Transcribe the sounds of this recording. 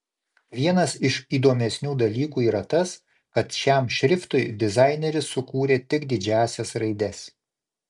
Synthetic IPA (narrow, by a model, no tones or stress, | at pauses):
ʋʲiɛnɐsɪʃiːd̪oːmʲɛsʲnʲuːd̪ɐlʲiːkuːiːɾɐt̪ɐs | kɐt̪ʃʲæˑmʃʲɾʲɪft̪ʊɪd̪ʲɪzɑˑɪnʲɛɾʲɪsːʊkuːɾʲeːt̪ʲɪɡd̪ʲɪd͡ʒʲæːsʲɛsɾɐɪd̪ʲɛs